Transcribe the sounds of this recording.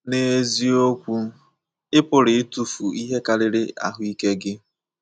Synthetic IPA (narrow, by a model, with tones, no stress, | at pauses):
ne˨˦zi˦o˦kʷu˦ | ɪ˦pʊ˨ɾɪ˨ɪ˦tu˨fu˨i˦ɦe˦ka˦ɾɪ˦ɾɪ˦ʔa̰˨ɦʊ˦i˦ke˦ɡɪ˦